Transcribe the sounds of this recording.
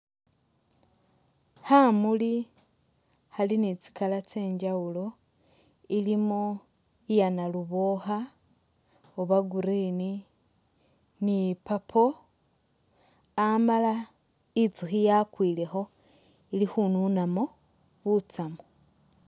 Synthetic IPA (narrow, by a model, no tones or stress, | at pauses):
hamuli | halinit͡si̥kalat͡se̞ːɲd͡ʒawulo̞ | ilimo | ijanaluβoxa | oβaɡuɾini | nipapʰo | amala | it͡suxijakwiːle̞xo̞ | ilixununamo | βut͡samo